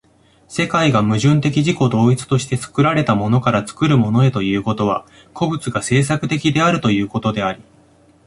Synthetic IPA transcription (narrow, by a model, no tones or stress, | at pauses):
se̞kaiɡamɯ̟ʑɨ̃nt̪e̞kʲiʑiko̞d̪o̞ːit͡sɨ̥t̪o̞ɕi̥t̪e̞t͡sɨ̥kɯ̟ɾaɾe̞t̪amo̞no̞kaɾat͡sɨ̥kɯ̟ɾɯ̟mo̞no̞e̞t̪o̞jɯ̟ːko̞t̪o̞β̞a̰ | ko̞bɯ̟t͡sɨɡase̞ːs̬akɯ̟t̪e̞kʲid̪e̞aɾɯ̟t̪o̞jɯ̟ːko̞t̪o̞d̪e̞aɾʲi